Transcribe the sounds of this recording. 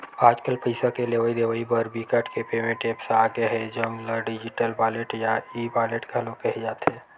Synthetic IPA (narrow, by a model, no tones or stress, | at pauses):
aːd͡ʒkəlpəɪsakeleʋaːid̪eːʋaːibəɾbikəʈkepeːmẽʈeːpsaːɡeɦɛd͡ʒəŋɡləɖɪd͡ʒɪʈəlbaːleʈjaibaːleʈɡʱəlõkəɦid͡ʒaːt̪ɦɛ̃ː